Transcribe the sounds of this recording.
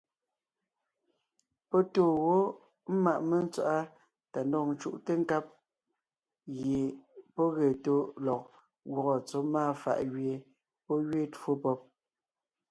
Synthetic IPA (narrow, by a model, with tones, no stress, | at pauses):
pɔ˦toː˦˨wo˦ | m̩˦ma˨ʔme˦n˦t͡swa̰˨ʔa˦ | ta˨ndɔ˨n̩˦t͡ʃṵ˦˨ʔte˦ŋ̩˦ka˦p̚ | ɣje˨pɔ˦ɣe˨to˦lɔ˨k̚ | ɣwɔ˨ɣɔ˨t͡so˨˦maː˦˨fa̰˨ʔɣɥe˨ | pɔ˦ɣɥe˦two˦pɔ˦p̚